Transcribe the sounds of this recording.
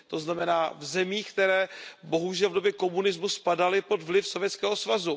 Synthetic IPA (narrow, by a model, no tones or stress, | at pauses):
t̪o̞znamɛnaːvzɛmiːxkt̪ɛɾɛːbo̞ɦuʒɛlvdo̞bjɛko̞munɪzmuspadalɪpo̞dvlɪfsovjɛt͡skɛːɦo̞svazu